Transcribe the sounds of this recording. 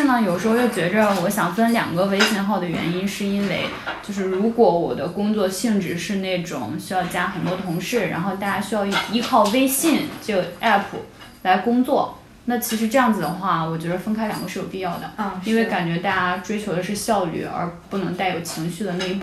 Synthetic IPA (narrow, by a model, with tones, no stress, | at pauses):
nɑ˥˩jʂɻ̩˧˥xo˥˧ʊjo˥˩ʊt͡ɕɥɛ˧˥də˧wɔ˧˥ɕjɑ˨˩ŋfə˥nljɑ̰˨˩ŋɡə˦we˥ɪɕjɛ˧˥nxɑ˥˩ʊd̪ə˩ɥɛ̰˧˥ni˥nʂɻ̩˥˩i˥nwe˥˧ɪ | t͡ɕjo˥˧ʊʂɻ̩˥˩ɻu˧˥kwɔ˧˥wɔ̰˨˩d̪ə˦kʊ˥ŋt͡swɔ˥˧ɕi˥˧ŋʈ͡ʂɻ̩˥˩ʂɻ̩˥˧ne˥˩ɪʈ͡ʂʊ̰˨˩˦ŋɕy˥jɑ˥˧ʊt͡ɕja˥xə˨˩nt̪wɔ˥t̪ʰʊ˧˥ŋʂɻ̩˥˩ɻa̰˧˥nxo˥˧ʊt̪a˥˩t͡ɕja˥ɕy˥jɑ˥˩˧ʊ˥˩i˧˥kʰɑ˥˩ʊwe˥ɪɕi˥˩nʈ͡ʂɤ˥˩ɡə˩ɛ˥˩pʰu˩ | la˧˥ɪkʊ˥ŋt͡swɔ˥˩ | na˥˩t͡ɕʰi˧˥ʂɻ̩˧˥ʈ͡ʂɤ˥˧jɑ˥˩ŋd͡zɹ̩˩d̪ə˩xwa˥˩wɔ˨˩t͡ɕɥɛ˧˥ə˧fə˥nkʰa˥ɪljɑ̰˨˩ŋɡə˦ʂɻ̩˥˩jo˨˩ʊpi˥˧jɑ˥˩ʊd̪ə˩i˥nwe˥˩ɪka˨˩nt͡ɕɥɛ˧˥t̪a˥˩t͡ɕa˥ʈ͡ʂwe˥ɪt͡ɕʰjo˧˥ʊd̪ə˧ʂɻ̩˥˧ɕjɑ˥˧ʊly̰˥˩ə̰˞˧˥pu˥˩nɤ˧˥ŋt̪a˥˩ɪjo˨˩ʊt͡ɕʰi˧˥ŋɕy˥˩d̪ə˩ne˥˧˥pu˥˩